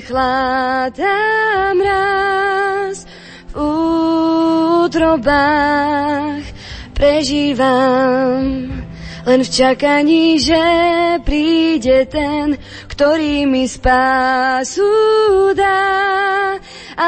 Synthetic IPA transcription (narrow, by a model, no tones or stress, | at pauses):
xlad̪amɾa | s | vu | t̪ɾɔba | x | pɾɛʒiːʋam | lɛnft͡ʃakaɲiːʒɛpɾiːɟɛt̪ɛn | kt̪ɔɾiːmispasud̪a | a